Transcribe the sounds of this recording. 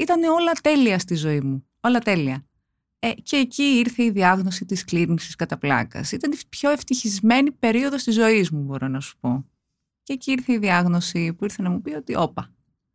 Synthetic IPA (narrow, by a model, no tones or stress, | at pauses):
it̪ɐneo̞lɐt̪e̞liɐst̪izo̞imu | o̞lɐt̪e̞liɐ | ece̞ːciiɾθe̞iðiɐɣno̞sit̪iskliɾiŋsiskɐt̪ɐplɐ̰kɐ̰sit̪ɐnpço̞eft̪içizme̞nipe̞ɾio̞ðo̞st̪izo̞izmubo̞ɾo̞nɐsu̥po̞ | ceːciiɾθeiðiɐɣno̞sipuiɾθe̞nɐmupio̞t̪iʔo̞pɐ